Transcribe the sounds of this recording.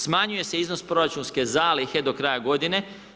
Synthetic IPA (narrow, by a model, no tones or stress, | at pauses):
smaɲuje̞seiznospɾo̞ɾat͡ʃunske̞zaːlixe̞d̪o̞kɾajaɡo̞d̪ine̞